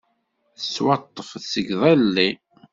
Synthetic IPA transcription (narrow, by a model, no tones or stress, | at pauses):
θəsːwɑt̪ˤːəfθsəɡðˤælːi